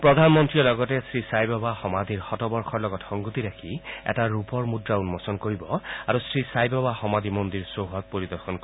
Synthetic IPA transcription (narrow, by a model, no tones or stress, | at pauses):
pɹɔd̪ʱanmɔntɹiɔlɔɡɔtɛsɹisajbabaxɔmad̪iɹxɔtɔbɔɹxʰɔɹlɔɡɔtxɔŋɡut̪iɹakʰiɛ̰taɹupɔɹmudɹaunmɔsɔnkoɹibɔaɹusɹisajbabaxɔmad̪imondiɹsoɦɔt̚poɹid̪ɔɹxɔnk